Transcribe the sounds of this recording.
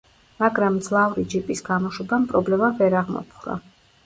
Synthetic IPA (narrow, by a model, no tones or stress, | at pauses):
maɡɾamd̪zlˠavɾid͡ʒipʼisɡamɔʃɛbampʼɾɔblɛmavɛɾaʁmɔ̰pʰχɾa̰